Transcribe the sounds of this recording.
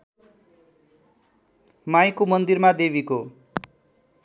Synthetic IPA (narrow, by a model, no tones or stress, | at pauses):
majkomʌnd̪irmad̪ebiko